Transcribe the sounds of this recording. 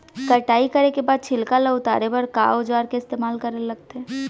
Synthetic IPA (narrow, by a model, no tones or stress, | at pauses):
kɐʈaːikɐɾekebaːd̪̚t͡ʃʰɪlkalaʊt̪a̰ːɾebɐɾka̰ːʊd͡ʒaːɾkeɪst̪eːmaːlkɐɾelɐɡ̚t̪eɦɛ̃ː